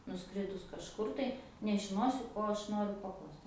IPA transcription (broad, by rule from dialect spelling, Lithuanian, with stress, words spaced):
nʊˈskrʲɪdʊs kɐʃˈkʊr tɐɪ nʲɛʒʲɪˈnoːsʲʊ ˈkoː ɐʃ ˈnoːrʲʊ pɐˈklˠɐʊst